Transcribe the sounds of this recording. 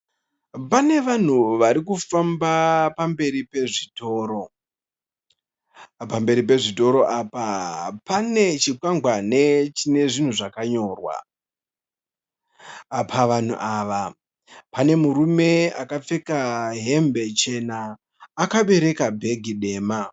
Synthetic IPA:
pane̞ʋan̤uʋaɾikufambapambe̞ɾipe̞ʐito̞ːɾo̞ | pambe̞ɾip̬e̞ʐito̞ɾo̞ʔapapane̞t͡ʃikwaŋɡwanet͡ʃine̞ʐin̤uʐakaɲo̞ːrwa̰ | pʰaʋan̤ṵʔaːʋa | pane̞muɾume̞akap͡fe̞kaɦe̞mbe̞t͡ʃe̞naː | kaɓe̞ɾe̞kabʱe̞ɡʱiɗe̞ːma

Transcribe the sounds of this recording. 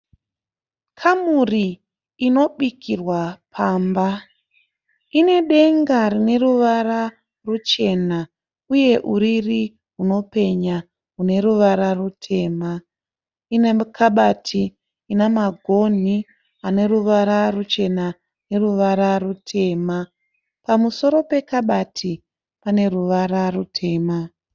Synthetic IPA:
kʰamuriː | no̞ɓikʰirwapʰaːmba | ine̞ɗe̞ŋɡaɾine̞ruʋara | rut͡ʃe̞na | uje̞ʔuɾiri | ɦuno̞pe̞ɲa | ɦune̞ɾuʋaɾarutʰe̞ːma | inekʰaɓatʰiː | namaɡʱo̞n̤i | ane̞ɾuʋaɾarut͡ʃe̞na | ne̞ruʋaɾarutʰe̞ːma | pamuso̞ɾo̞pe̞kaɓatʰi | pane̞ruʋaɾarutʰe̞ːma

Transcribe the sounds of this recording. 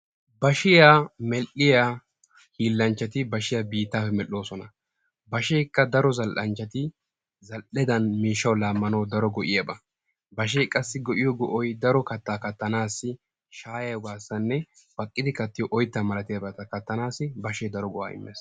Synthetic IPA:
bɐʃɪjaːmɛlʔɪjaː | hiːlːɐnt͡ʃːɐt̪ɪbɐʃɪjabiːt̪ːaːfɛmɛlːo̞ːsɔnɐ | bɐʃeːkːɐd̪ɐɾɔzɐlʔɐnt͡ʃːɐt̪ɪ | zɐlʔɛd̪ɐnmiːʃːɐwlaːmːɐnɐwd̪ɐɾɔɡɔʔɪjɐbɐ | bɐʃ̬eːkʼɐsːɪɡɔʔɪjɔɡɔʔɔjd̪ɐɾɔkɐt̪ːaːkɐt̪ːɐnaːsːɪ | ʃaːjɐjbaːsːɐnːɛ | b̥ɐkʼːɪd̪ɪkɐt̪ːɪjɔʔɔjt̪ːɐmɐlɐt̪ɪjɐbɐt̪ɐkɐt̪ːɐnaːsɪbɐʃeːd̪ɐɾɔɡɔʔa̰ːɪ̰mːḛːs

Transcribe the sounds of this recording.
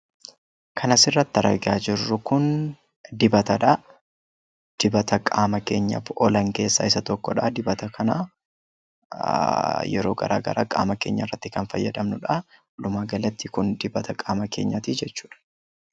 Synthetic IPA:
kʰɐnɐsɪrːɐt̪ːɐɾɐ̰ɡɪaːd͡ʒɪrːʊkʊn | d̪ɪbɐt̪ɐᶑɐ | d̪̥ɪbɐt̪ɐkʼaːmɐke̞ːɲːɐ̰fɔlɐŋke̞ːsːa̰ɪsɐt̪ɔkːɔᶑɐd̪ɪbɐt̪ɐkʰɐna̰ː | jɛ̰ɾo̞ːɡɐ̰ɾa̰ːɡɐ̰ɾa̰ːkʼa̰ːmɐke̞̰ːɲːɐɪrːɐt̪ːɪkɐnfɐjːɐd̪ɐmnʊᶑa | lʊmaːɡɐlɐt̪ːɪkʊnd̪ɪbɐt̪ɐkʼaːmɐke̞̰ːɲːat̪id͡ʒɛt͡ʃːu̥ːᶑɐ̥

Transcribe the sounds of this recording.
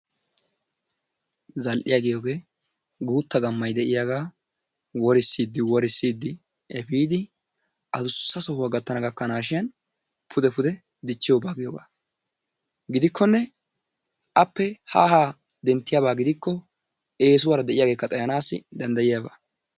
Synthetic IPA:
zɐlʔɪjaːɡɪjoːɡe̞ː | ɡuːt̪ːɐɡɐmːɐjd̪ɛʔɪjaɡaː | wɔɾɪsːiːd̪ːɪwɔɾɪsːiːd̪ːɪ | ɛpiːd̪ɪ | ʔɐd̪ʊsːɐsɔhʊwaɡɐt̪ːɐnɐɡɐkːɐnaːʃɪjɐn | pʰʊd̪ɛpʊd̪ɛ | d̪ɪt͡ʃːɪjoːbaːɡɪjoːba̰ː | ɡɪd̪ɪkʰːɔnːɛ | ʔɐpːɛhahaː | d̪ɛnt̪ːɪjabaːɡɪd̪ɪkːɔ | eːsʊwaɾɐd̪ɛʔɪjaːɡeːkːɐt̪ʼɐjɐnaːsɪ̰d̪ɐnd̪ɐjɪjaːba̰ː

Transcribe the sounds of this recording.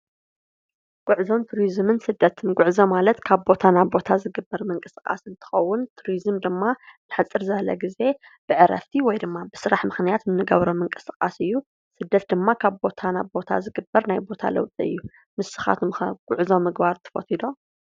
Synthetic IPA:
ɡ̥ʊʕzo̞mt̪ʰuɾizmɨnsɨd̪ːɐt̪ʰɨnɡʷʊʕzomalɐt̪kʰaβbo̞t̪ʰanabo̞t̪ʰazɨɡɨbːɐɾmɨŋkʼɨsɨkʼa̰sɨnt̪ʰɨ̥xɐwːʊnt̪ʰuɾizɨmd̪ɨmːanɨħɨt͡sʼːɨɾzɐβlɐ̰ɡize̞ | b̥ɨʕɨɾɐ̰ft̪ʰiwɔjd̪ɨmːabɨsɨɾaħmɨxnijat̪nɨnɨɡɐβɾomɨŋkʼɨsɨkʼa̰sɨjːu | sɨd̪ːɐt̪̚d̪ɨmːakʰaβbo̞t̪ʰanaβbo̞t̪ʰa̰zɨɡɨbːɐɾnajbo̞t̪ʰa̰lɐ̰wt̪ʼiɨ̰jːu | mɨsːɨ̥xa̰t̪ʰumxɐɡ̥ʷʼʊʕzomːɨɡbaɾt̪ʰɨ̥fo̰t̪ʰid̪o̞

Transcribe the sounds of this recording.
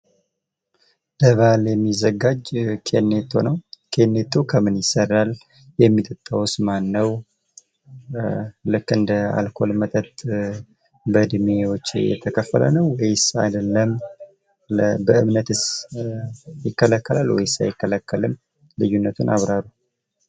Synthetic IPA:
bəβaljɛmːizəɡad͡ʒkʰenːet̪ʰːo̞̰nəwkʰe̞nːet̪ʰːokʰəmɨnjɪsərːal | jɛmːit̪ʼɨt̪ʼːawsmanːəw | lɨkːɨnd̪əa̰lkʰo̞lmət̪ʼət̪ʼ | bəd̪ɨmewot͡ʃːjɛ̰t̪ʰəkʰəfːə̰lə̰nəwwɔjsa̰jd̪əlːəm | bəɨmnət̪ɨs | jɪkːələkːəlalwɔ̰jsa̰jɪkːələkːəlɨm | lɨjːunːət̪ʰunʔa̰βɾaɾu

